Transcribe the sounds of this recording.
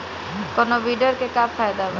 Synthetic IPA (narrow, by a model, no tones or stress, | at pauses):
kɔnoʋiːɖəɾkekafʰaːjd̪aʋə